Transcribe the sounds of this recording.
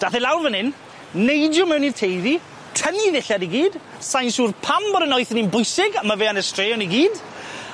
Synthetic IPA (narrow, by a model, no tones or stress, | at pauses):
d̥aθɛlawrvənɪn | nejdjʊmɛwnirtʰejði | tʰəniðɪɬadiɡiːd̥ | sajnsuːrpʰambɔɾənɔɨθəninbʊjsɪɡaməveːanəstreːɔniɡiːd̥